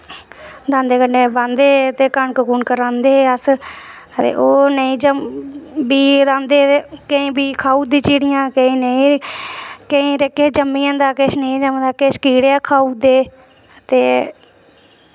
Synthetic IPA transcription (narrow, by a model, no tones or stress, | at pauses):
ɾãːnd̪eːkəɳɖeːbãːnd̪eːt̪eːkəɳkəkuːnkəɾãːnd̪eːəs | t̪ḛːʔoːnəĩːd͡ʒəmbiːɾãːnd̪eːkəĩːbiːkʰaːuːd̪ĩːt͡ʃiːɽɪjãːkəĩːnəĩː | kəĩːɾkeːd͡ʒəmĩːãːd̪aːkeːʃnəĩːd͡ʒəmd̪aːkeʃkiːɽjaːkʰaːuːd̪eː | t̪eː